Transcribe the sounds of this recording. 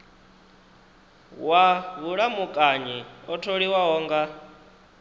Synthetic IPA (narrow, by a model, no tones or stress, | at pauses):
waβuɺamukʼaɲiɔtʰoɺiwaɦɔːŋɡa